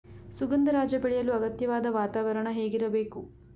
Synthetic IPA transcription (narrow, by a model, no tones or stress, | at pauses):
suɡɐnd̪ɐɾaːd͡ʒjɐbeɭɛjɐluɐɡɐt̪jɐʋaːd̪ɐʋaːt̪aːʋɐɾɐɳɐɦe̞ːɡiɾɐbe̞ːku